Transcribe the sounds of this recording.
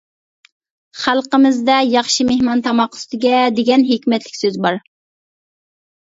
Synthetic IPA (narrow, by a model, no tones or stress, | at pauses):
χælˠqəmɪzd̪ɛjɑχʃimehmɑnt̪ʰɑmɑqːʊ̥st̪ɪɡʲɛd̪eɡʲɛnɦekʲmɛt̪lɪkʲsøzbɑɾ